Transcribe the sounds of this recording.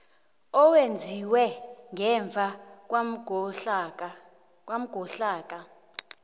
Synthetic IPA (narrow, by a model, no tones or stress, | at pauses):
ɔwend͡zʱiwɛŋɛɱvʱa | wam̩ɡ̥ʱɔɬaːk̬ʼa